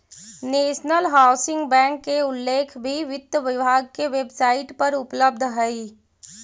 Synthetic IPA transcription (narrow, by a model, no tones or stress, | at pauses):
neːʃnəlɦaːʊsɪ̃ŋɡbɛ̃ːŋkːeʊlːeːkʰbʱiʋɪt̪ːʋɪbʱaːɡ̚keʋeːbsaːɪʈpɐɾʊpləb̚d̪ʱɦɛi